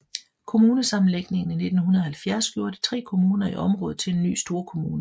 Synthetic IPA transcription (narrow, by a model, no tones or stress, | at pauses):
kʰo̝muːnəsɑ̈mn̩leɡ̥ne̝ŋn̩ine̝d̥n̩hunɐð̩ˠhælfjæɐ̰sɡ̥jo̝ːɐd̥i̥t͡sʰʁɛ̰ːkʰo̝muːnɐiʔɒ̽mʁɔ̽ːð̩ˠt͡sʰe̝le̝nːy̰ːsd̥o̝ːɐkʰo̝muːnə